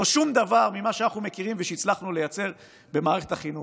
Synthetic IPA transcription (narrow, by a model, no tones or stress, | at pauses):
oʃumd̪avaʁmimaʃanaχnumekiʁimveʃeit͡slaχnule̞jat͡se̞ʁ | be̞maːʁeχe̞t̪aχinu